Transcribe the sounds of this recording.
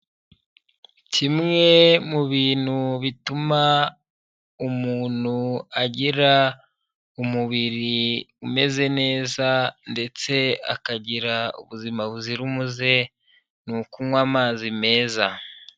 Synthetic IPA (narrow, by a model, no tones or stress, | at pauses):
cimŋe̞muβiːnhuβituma | umuːn̥huaɟiɾa | umuβiɾiume̞ze̞ne̞ːzande̞t͡se̞a̰kaɟiɾaṵβuzimaβuziɾumuze̞ | nukumwaːmaːzime̞ːza